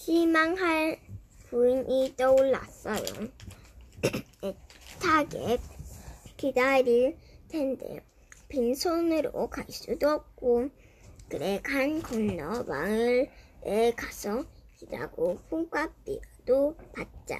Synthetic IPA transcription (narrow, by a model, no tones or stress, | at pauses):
kimaŋɦaɭ | puɲʔit͈ʌuɭːa̰s͈ʌjo̰ | etʰaɡḛ | kidaɾiɭtʰende̞̰o | pinsʰonɯɾo̰kais͈udoʌp̚k͈o | kɯɾekʰankʌnːʌwa̰ŋɯɾekasʰʌida̰ɡopʰukwap͈ḭd̥opat̚t͡ɕ͈a̰